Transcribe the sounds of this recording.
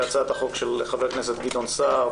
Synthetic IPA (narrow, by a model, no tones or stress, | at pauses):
at͡saet̪aχo̞kʃeleχaveknes̬et̪̚ɡid̪onsaʁ